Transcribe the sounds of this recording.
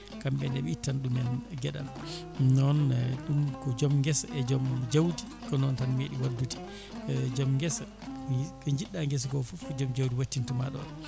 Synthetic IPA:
kamɓɛndɛɓɛitːanɗumɛnɡɛɗa̰n | nɔnɗumkɔd͡ʒɔmŋɡɛsɛd͡ʒɔmd͡ʒawdi | kɔnɔntanmeːɗiwadːuti̥ | d͡ʒɔmɡɛsa | kɔɲd͡ʒiɗːaŋɡɛs̬ɡɔfufkɔd͡ʒɔmd͡ʒawdiwatːintumaɗɔ̰n

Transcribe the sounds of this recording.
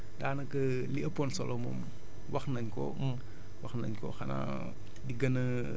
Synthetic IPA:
daːnɐkɐ | liɐpɔnsɔlɔmɔ̰m | wɐxnɐɲkɔ̰ | wɐxnɐ̰ɲkɔ̰xɐna̰ | diɡɐnɐ

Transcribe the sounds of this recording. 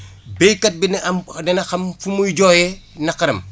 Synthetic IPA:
bɛjkɐt̚binɐmdɐnɐxɐmfumujd͡ʒɔːjɛnɐkɐɾɐm

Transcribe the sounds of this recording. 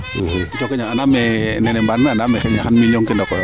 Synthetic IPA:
ɦd͡ʒɔkɛɲaanamɛnɛnɛbanːaanamɛxɛɲaɦanmilionkɛndɔkɔ

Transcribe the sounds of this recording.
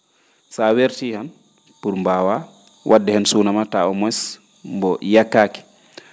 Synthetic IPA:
saweɾtihan | puɾmbawa | wʔadːɛhɛnsunamataɔmɔs | mbɔjakːaki̥

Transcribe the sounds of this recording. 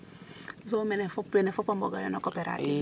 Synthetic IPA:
zomɛnɛfopenefopamboɡajɔ̰nokɔpɛɾa̰

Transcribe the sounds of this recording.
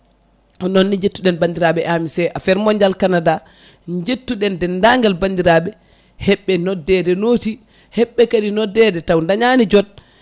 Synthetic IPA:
ɔnonːiɲd͡ʒetːuɗɛnbandiɾaɓɛʔamisɛʔafɛɾmɔɲd͡ʒalkanada | ɲd͡ʒetːuɗɛndɛndaŋɡalbandiɾaɓɛ | hɛɓːɛnɔdɛdɛnoːti | hɛɓːɛkaɗinɔdɛdɛtawndaɲanid͡ʒɔd̚

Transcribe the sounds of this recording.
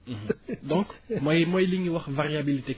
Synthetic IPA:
d̪ɔ̃kmwaimwailiɲiwaʁvaʁjabilit̪e

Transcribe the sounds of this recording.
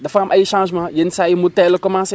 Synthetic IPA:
dafamʔajiʃãʒmãjensajimotɛlkɔmãs

